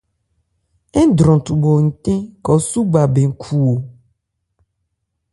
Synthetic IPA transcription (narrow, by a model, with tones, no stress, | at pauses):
ɛ˦d̪ɾɔ̃˨t̪u˨bɔ˨ŋ̩˨t̪ẽ˦kɔ˨su˦ɡ͡ba˨be˨ŋ̩˨kʰu˨wo˨